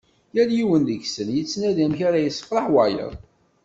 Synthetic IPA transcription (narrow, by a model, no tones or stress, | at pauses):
jæljiwənd̪əçsənjət͡sːnæðæmçaɾæjəsːə̥fɾˤəħwæjə̰ðˤ